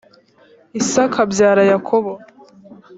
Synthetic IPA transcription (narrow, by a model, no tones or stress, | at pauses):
isakʰabjaːɾajakʰoβo